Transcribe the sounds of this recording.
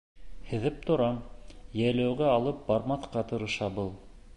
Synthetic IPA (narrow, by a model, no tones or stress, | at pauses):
hɘ̆ðɘp̚t̪ŏɾɑmjælæwɡæɑlˠɤp̚bɑɾmɑθqɑt̪ɤ̆ɾɤ̆ʃɑbɤlˠ